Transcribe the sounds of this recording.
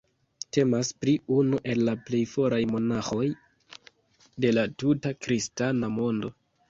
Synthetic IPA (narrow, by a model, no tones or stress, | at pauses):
te̞maspɾiunuʔe̞lːaple̞jfo̞ɾʔajmo̞naxo̞j | de̞latutakɾistanamo̞ndo̞